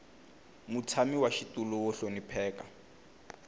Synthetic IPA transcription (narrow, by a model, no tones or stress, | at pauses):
mut͡sʰamiwaʃitulɔʊɬonipʰɛːka